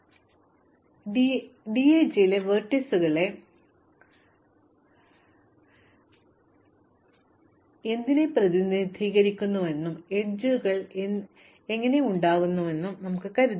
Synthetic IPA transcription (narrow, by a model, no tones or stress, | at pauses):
ɖieːt͡ɕleʋɐrʈːisuɣɐɭe̞ | e̞nd̪ine̞prɐðinid̪ʱiːɣɐɾikʲːunːuʋe̞nːume̞ɲd͡ʑɨɣɐɭ | e̞ŋːɐne̞uɳɖaːɣunːuʋe̞nːumnɐmukːɨkɐɾu